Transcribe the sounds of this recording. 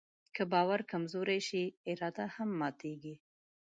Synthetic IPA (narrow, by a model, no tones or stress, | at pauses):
kəbɑwaɾkamzoɾajʃiɪɾɑd̪ahamːɑt̪eɡi